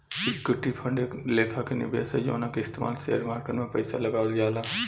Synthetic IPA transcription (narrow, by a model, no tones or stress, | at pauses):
ɪkʊʈːipʰə̃ɳɖekleːkʰakenɪ̰bʱḛːsɛd͡ʒo̰ːnakeɪst̪eːma̰ːlsḛːəɾmaːɾkəʈmẽpɐɪsalɐɡaːʋld͡ʒaːlaː